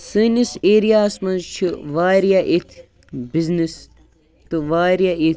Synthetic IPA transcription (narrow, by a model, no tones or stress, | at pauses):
siːniseːɾijaːsmɐnzt͡ʃʰiʋaːɾijaʔit̪ʰ | biznis | t̪ɨʋaːɾjai